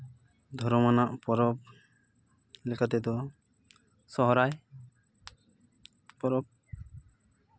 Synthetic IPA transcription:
d̪ʱɔɾɔmanaʔpɔɾɔp̚ | lɛkʰat̪ɛd̪ɔ | sɔɦɔɾaj | pɔɾɔp̚

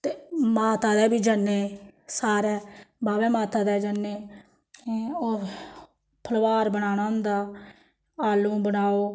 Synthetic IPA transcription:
t̪eːmaːt̪aːd̪ɛːbiːd͡ʒənːeːsaːɾɛːbaːʋɛ̃ːmaːt̪aːd̪ɛːd͡ʒənːeː | oː | pʰəlʋaːɾbənaːnaːʊ̃nd̪aː | aːlũːbənaːoː

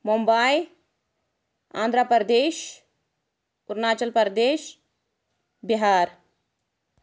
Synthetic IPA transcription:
mumbaːj | ã̰ːnd̪ʱɾapəɾd̪eːʃ | ʊɾnaːt͡ʃəlpəɾd̪eːʃ | biɦaːɾ

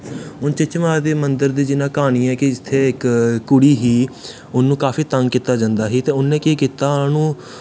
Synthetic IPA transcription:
ʊnt͡ʃɪt͡ʃmaːd̪eːmənd̪əɾd̪eːd͡ʒɪnãːkaːñiːɛ̃ːkɪd͡ʒɪt̪ʰːeːɪkkːʊɽiːɦiː | ʊnːũːkaːfiːt̪əŋɡkiːt̪aːd͡ʒãnd̪aːɦiːt̪ẽːʊnːẽːkeːkiːt̪aːãːnũː

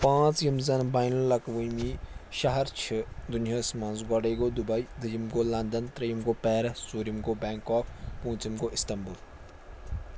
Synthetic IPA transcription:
pãːt͡sjɐmzɐnbaːjnɐlːɐkʋuniːʃɐɦɐɾt͡ʃʰɪd̪ʊnjaːsmɐ̃nzɡɔɽeɡod̪ʊbɐid̪ɐjimɡolɐnd̪ənt̪ɾɐjimɡoːpɛːɾɐsuːɾjimɡobɛːŋkɔːpʰpũːt͡ʃimɡoːʔɪst̪ɐmbul

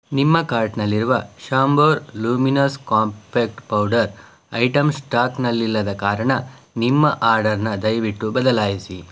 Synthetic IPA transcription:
nimːɐkaːɾʈnɐlːiɾuʋɐʃaːmboːɾluːminɐskaːmpeːk̚ʈpɐwɖɐɾ | ɐ̰jʈɐmsʈaːknɐlːilːɐd̪ɐkaːɾɐɳɐ | nimːɐʔaːɾɖɐɾnɐd̪ɐjʋiʈːubɐd̪ɐlaːjisi

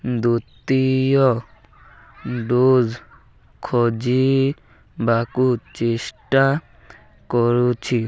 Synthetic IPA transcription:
d̪ut̪ijɔ | ɖoz | kʰɔd͡ʒi | bakut͡ʃesʈa | kɔɾut͡ʃʰi

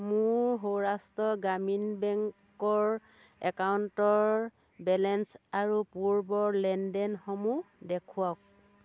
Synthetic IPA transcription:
muɹɦowɹastɔɡaminbɛŋk | ɔɹ | ɛkawntɔɹ | bɛlɛnsaɹupuɹbɔɹlɛndɛnxɔmudɛkʰuak̚

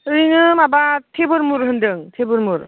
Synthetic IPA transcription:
ɯjnɯmabatʰebɯɾmuɾɦɯndɯŋtʰebɯɾmuɾ

